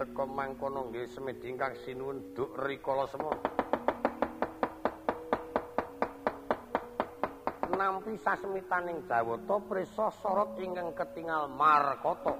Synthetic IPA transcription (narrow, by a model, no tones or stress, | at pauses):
əkɔmaŋkɔnɔŋɡesəmed̪̥iŋkaksinuwənd̪̥ʊ̤ʔrikɔlɔsəmɔ | nampisasəmit̪anɪŋd̥ʒ̥ä̤wɔt̪ɔpɾesɔsɔɾɔk̚iŋkəŋkət̪iŋalmarkɔt̪ɔ